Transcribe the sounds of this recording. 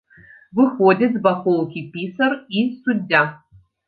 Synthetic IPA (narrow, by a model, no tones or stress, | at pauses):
vɨxodʲɐt̪zbɐxolˠkʲipʲisɐrisudʲːa